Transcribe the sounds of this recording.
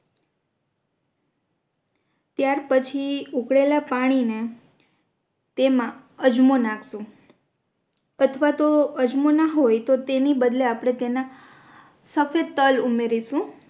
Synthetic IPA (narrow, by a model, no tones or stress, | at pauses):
t̪jaɾpət͡ʃʰiukɽelapaɽ̃ine | t̪emã | əd͡ʒmonãkʰsũ | ət̪ʰʋat̪oəd͡ʒmonaɦojt̪ot̪enibəd̪leapɽ̃et̪ena | səfed̪̚t̪əlumeɾiʃũ